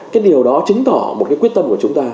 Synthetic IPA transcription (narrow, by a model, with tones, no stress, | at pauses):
kkaː˨˦jɗi˨˩əwɗɔ˨˦t͡ɕɨ̈˨˦ŋ̟t̪ɔ˧˩mo˨˩kaː˨˦kwi˦˥ət̪̚ə˧mku˧˩t͡ɕʊ˨˦ŋ͡mt̪aː˧